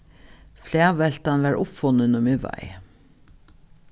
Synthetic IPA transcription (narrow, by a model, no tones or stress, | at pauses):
flæːʋɛl̥t̪anʋæɹʔʊpfʊnːənʊmɪʋa̰ɪ